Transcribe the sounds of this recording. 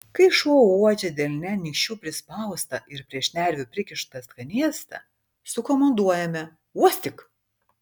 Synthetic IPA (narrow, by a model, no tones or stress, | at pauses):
kɐɪʃuuɔd͡ʒʲɛd̪ʲɛːlʲnʲɛnʲɪkʃʲt͡ʃʲuːpʲɾʲɪspɐˑʊst̪ɐʔɪɾpʲɾʲiɛʃnʲæˑɾʲʋʲʊpʲɾʲɪkʲɪʃt̪ɐskɐnʲiɛst̪ɐ̰ | sʊkɔmɐnd̪uɔjɛmʲɛ | uɔsʲt̪ʲɪk